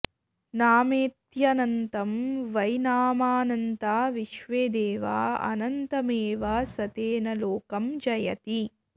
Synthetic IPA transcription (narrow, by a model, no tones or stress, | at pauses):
naːmeːt̪jɐnɐnt̪ɐmʋɐjnaːmaːnɐnt̪aːʋiʃʋeːd̪eːʋa̰ːɐ̰nɐnt̪ɐmeːʋaːsɐt̪eːnɐloːkɐmd͡ʒɐjɐ̰t̪i